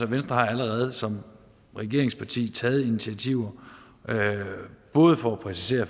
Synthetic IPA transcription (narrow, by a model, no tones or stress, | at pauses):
ɒʋensd̥ʁɐhɑ̈æləʁɛð̞ˠsɒ̽m | ʁɛɡ̥e̝ɐ̰eŋspʰɑ̈t͡sʰḭːt͡sʰɛːð̞̩ˠinit͡sʰiæt͡sʰiʊ̰ɐ | b̥ɔ̽ːð̞̩ˠfɒ̽æpʰʁɛsi̥se̝̰ːɐ